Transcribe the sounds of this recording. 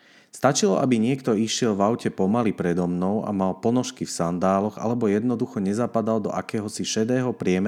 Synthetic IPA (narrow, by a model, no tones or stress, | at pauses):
st̪at͡ʃilɔʔabiɲɪɛkt̪ɔiʃɪɛlvaʊcɛpɔmalipɾɛd̪ɔmnɔʊʔa̰malpɔnɔʃkifsand̪aːlɔɣa̰lɛbɔjɛd̪nɔd̪uxɔɲɛzapad̪ald̪ɔ̰ʔakɛːɦɔsiʃɛd̪ɛːɦɔpɾɪɛm